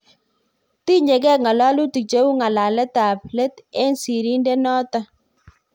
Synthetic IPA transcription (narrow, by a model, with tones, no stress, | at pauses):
ti˦ɲe˨ɡɛ˦˨kŋa˨la˦lu˦ti˨t͡ʃe˦wu˦ŋa˨la˨lɛ˦ta˨p̚le˦t̪ɛ˦nsi˨ɾi˦nde˦nɔ˦ta˦